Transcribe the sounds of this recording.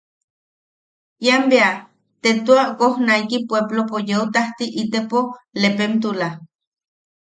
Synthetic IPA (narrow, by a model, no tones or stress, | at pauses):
jambea | t̪et̪uakohnaikipweblopojeut̪aht̪iʔit̪epolepemt̪̬ula